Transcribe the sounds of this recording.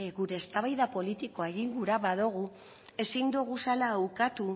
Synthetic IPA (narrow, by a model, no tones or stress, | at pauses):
ɣuɾe̞ːst̪aβajðapo̞lit̪iko̞e̞ɣ̞iŋɡuɾaβaðuɣ̞u | e̞sind̪uɣ̞usalaːwkat̪u